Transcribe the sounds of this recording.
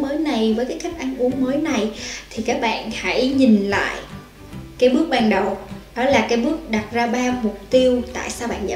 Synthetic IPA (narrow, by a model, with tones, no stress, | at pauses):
məː˨˦jna˨˩jvəː˨˦jkaː˨˦ka˦˥jk̟̚ʔa˧nʔu˨˦əŋməː˨˦jna˨˩jt̪ʰi˨˩kaː˦˥k̚ɓa̰ː˧˨nha̰˧˥jɲï˨˩ŋ̟la̰ː˧˨j | kaː˨˦jɓɨ˦˥ək̚ɓaː˧nɗə˨˩wɗɔ˨˦laː˨˩kaː˨˦jɓɨ˦˥ək̚ɗa˨˩t̚zaː˧ɓaː˧mʊ˨˩k͡p̚t̪i˧əwt̪a̰ː˧˨jsaː˧wɓa̰ː˧˨nza̰˧